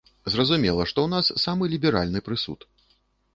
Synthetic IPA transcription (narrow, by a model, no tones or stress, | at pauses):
zrɐzumʲɛlˠɐʂt̪ɔwn̪asːamɨlʲibʲɛɾa̰lʲnɨpɾɨsṵt̪